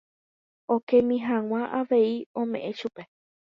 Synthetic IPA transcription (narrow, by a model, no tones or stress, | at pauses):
okẽmĩɦãw̃ãʔaʋeiõ̞mẽ̞̰ʔẽʃupe̞